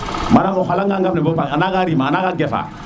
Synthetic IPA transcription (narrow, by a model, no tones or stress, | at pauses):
maɾamɔɦalãŋɡãŋɡamnɛ̃bopakanakaɾimaːnakaɡɛfa̰